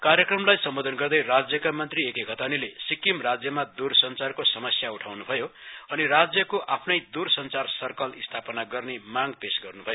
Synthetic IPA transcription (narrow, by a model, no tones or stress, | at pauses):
karjʌkrʌmlajsʌmbod̪ʱʌnɡʌrd̪ʌjrad͡zjʌkamʌnt̪riekekʰʌt̪anilesikimrad͡zjʌmad̪ursʌnt͡sarkosʌmʌsjauʈʰawnubʱʌjoʌnirad͡zjʌkoʔapʰnʌjd̪ursʌnt͡sarsʌrkʌlist̪ʰapʌnaɡʌrnemaŋpesɡʌrnubʱʌjo